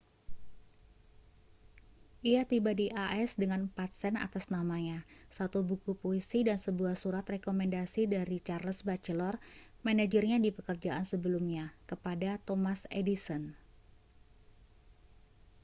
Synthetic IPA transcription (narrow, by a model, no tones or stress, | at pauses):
ʔiat̪ibadiʔaʔɛsdəŋanpat̪̚sɛna̰t̪asnamaɲasat̪ubukupoisidansəbuahsuɾat̪rekomɛndasidaɾit͡ʃarləsbat͡ʃəlɔrmanad͡ʒərɲadipəkərd͡ʒaʔansəbəlumɲakəpadat̪ɔmasedisɔn